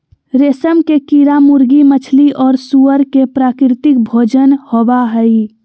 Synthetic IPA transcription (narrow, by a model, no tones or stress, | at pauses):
ɾesəmkekiɾamuɾɡimət͡ʃʰliʔɔːɾsuəɾkepɾaːkɾɪt̪ɪk̚bʱoːd͡ʒənhobaɦəi